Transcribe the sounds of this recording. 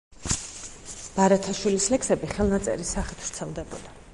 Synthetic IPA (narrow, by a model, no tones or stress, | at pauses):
b̥aɾat̪ʰaʃwilislɛksɛbiχɛlˠnat̪sʼɛ̰ɾisaχit̪ʰɾt̪sʰɛlˠd̪ɛbɔ̰d̪a